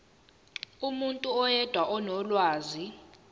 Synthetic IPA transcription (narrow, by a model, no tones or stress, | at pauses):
umuntʼuɔjɛd̥ʱwaʔɔnɔlwaːzi